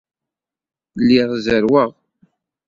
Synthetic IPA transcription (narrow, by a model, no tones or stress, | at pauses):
lːɪʁzəɾwəʁ